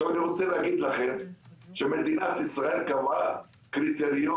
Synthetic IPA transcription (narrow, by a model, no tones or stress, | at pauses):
avaniʁot͡seleːɡid̪laχenʃemed̪inat̪isʁaelkava | kɾit̪eʁjo